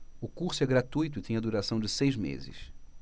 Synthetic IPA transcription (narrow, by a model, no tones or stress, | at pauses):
ʊkuχsʊɛɡɾat̪ujt̪ʊɪt̪ẽj̃ɐd̪uɾasɐ̃w̃d͡ʒɪsejzmḛzɪ̰s